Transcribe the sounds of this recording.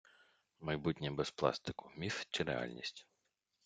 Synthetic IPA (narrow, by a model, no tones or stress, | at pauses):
mɐjbutʲnʲibɛsplˠɑ̰st̪ɪ̥kʊmʲift͡ʃiɾɛ̰ɑ̰lʲnʲḭsʲtʲ